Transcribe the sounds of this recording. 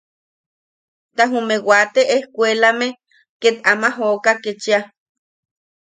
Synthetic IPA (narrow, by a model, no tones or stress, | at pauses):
t̪aɦumewat̪eʔehkʷelame | ket̪amaɦokaket͡ʃia